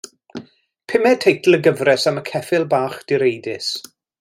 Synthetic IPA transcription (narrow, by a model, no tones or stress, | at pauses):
pʰɪmɛtʰejtʰl̩ˠəɡəvrɛsaməkʰɛfɪlˠbaːχd̥ɪɾejdɪs